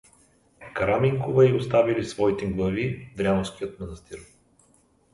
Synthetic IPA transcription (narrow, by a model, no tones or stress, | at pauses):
kɐɾamiŋkovɛiost̪avilisvɔit̪ɛɡlˠɐvid̪ɾʲanosk̟ijət̪mɐnɐst̪iɾ